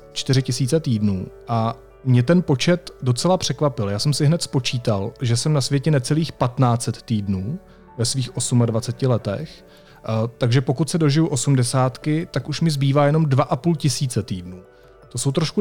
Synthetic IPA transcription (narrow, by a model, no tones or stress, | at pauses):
t͡ʃt̪ɪɾɪcɪsiːt͡sɛt̪iːdnuːʔa | mɲɛt̪ɛnpo̞t͡ʃɛt̪do̞t͡sɛlapr̝̥ɛkvapɪljaːsɛmsɪɦnɛt̪spo̞t͡ʃiːt̪alʒɛsɛmnasvjɛcɛnɛt͡sɛliːxpat̪naːt͡sɛt̪ːiːdnuː | vɛsviːxʔo̞sumadvat͡sɛcɪlɛt̪ɛ̰x | t̪aɡʒɛpo̞kut̪sɛdo̞ʒɪjuʔo̞sumdɛsaːt̪kɪt̪akuʃmɪzbiːvaːjɛno̞mdvaʔapuːlcɪsiːt͡sɛt̪iːdnuː | t̪o̞so̞wt̪ɾoʃku